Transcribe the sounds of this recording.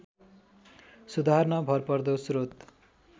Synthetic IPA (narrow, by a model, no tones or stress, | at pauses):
sud̪ʱarnʌbʱʌrpʌrd̪osrot̪